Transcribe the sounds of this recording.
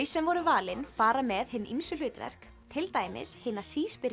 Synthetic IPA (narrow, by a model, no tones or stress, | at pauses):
jsɛmvɔɾʏvaːlɪnfaːɾamɛðhɪnːʔimsʏlʏːt̪vɛ̰r̥k | t̪ʰɪlt̪aːjmɪ̰shɪːnasiːspɪɾ